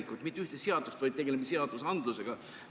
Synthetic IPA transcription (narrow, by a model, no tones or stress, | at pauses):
ikːˑut̪mit̪ːyht̪eseɑd̪̥ust̪vɤjd̪̚t̪e̞ɡ̥e̞lemiseɑd̪̥usɑnd̪luse̞ɡ̥ɑ